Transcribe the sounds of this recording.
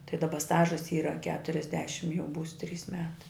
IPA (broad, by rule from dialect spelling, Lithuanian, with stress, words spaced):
tɐɪ dɐˈbɐ ˈstɑːʒɐs ˈiːrɐ kʲɛtʊrʲɛzʲˈdʲæːʃʲɪm jɛʊ ˈbuːs ˈtʲrʲiːs ˈmʲæːtɐɪ